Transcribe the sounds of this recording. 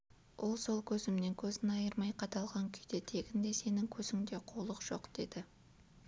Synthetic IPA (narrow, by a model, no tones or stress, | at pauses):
wʔo̞lˠso̞lˠkʲʰɵzɪmne̞ŋkʲʰɵzɪnɑjəɾmɑjqʰɑt̪ɑlˠʁɑŋkʲʰʏjt̪e̞t̪ʰe̞ɡʲɪnd̪e̞se̞nɪŋkʲʰɵzɪŋd̪e̞qʰulˠəqʒ̥o̞̰qd̪̥e̞̰d̪̥ɪ